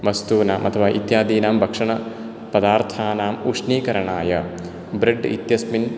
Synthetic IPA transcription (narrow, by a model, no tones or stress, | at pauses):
mɐst̪uːnaːmʔɐt̪ʰɐʋaːʔit̪jaːd̪iːnaːmbʱɐkʂɐɳɐ | pɐd̪aːɾt̪ʰaːnaːmuʂniːkɐɾɐɳaːjɐ | bɾeɖḭt̪jɐsmin